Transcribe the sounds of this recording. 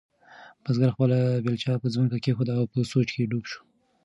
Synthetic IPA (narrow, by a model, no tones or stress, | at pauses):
b̥azɡaɾxpəlabelt͡ʃɑpəzməkakexod̪aawpəsot͡ʃkeɖubʃu̥